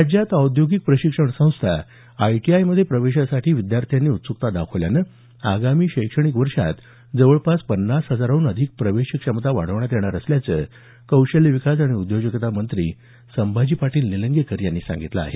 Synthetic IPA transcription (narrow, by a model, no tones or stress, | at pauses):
ad͡ʑjat̪awd̪joɡik̚pɾəɕikʂəɳsə̃w̃st̪ʰa | ajʈiajməd̪ʱːjepɾəʋeɕasaʈʰiːʋid̪jaɾt̪ʰijanːiːut̪suk̚t̪ad̪akʰoʋljanə | a̰ɡamiːɕəjkʂəɽ̃ikʋəɾʂa̰t̪ | d͡zəʋəɭpaspənːasɦəd͡zaɾaunəd̪ʱik̚pɾəʋeɕikʂəmət̪aʋa̰ɽ̤əʋɳ̃jat̪jɛɳ̃aɾəsljat͡sə | kəwɕəlːiʋikasaɽ̃iud̪joɡəkt̪amənt̪ɾḭː | səmbʱad͡ʑiːpaʈiːlniləŋɡekəɾjanːiːsã̰ŋɡit̪la̰a̰ɦḛ